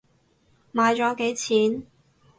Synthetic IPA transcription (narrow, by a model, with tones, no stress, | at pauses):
maː˨˧jt͡ʃɔː˨˥ke˨˥jt͡sʰiː˨˥n